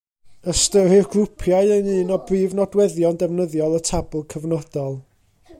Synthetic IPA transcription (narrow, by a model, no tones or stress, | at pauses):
əstəɾɪrɡrʊpʰjaɨənɨːnɔbriːvnɔdwɛðjɔndɛvnəðjɔlˠətʰabʊlˠkʰəvnɔd̥ɔlˠ